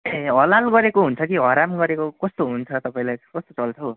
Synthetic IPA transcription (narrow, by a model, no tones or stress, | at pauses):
eʌlalɡʌɾekoɦunt͡sʰʌkiɦʌɾamɡʌɾekokʌst̪oɦunt͡sʰʌt̪ʌpaĩlajkʌst̪ot͡sʌlt͡sʰʌ